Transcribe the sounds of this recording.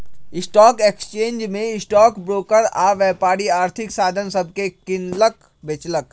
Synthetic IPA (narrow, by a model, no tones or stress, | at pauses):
ɪsʈɔːkeksə̥t͡ʃẽːnd͡ʒmẽɪsʈɔːkbɾoːkəɾaːʋɛːpaːɽiaːɾt̪ʰɪksaːd̪ʱənsəb̚ʱkekɪnlək | beːt͡ʃlək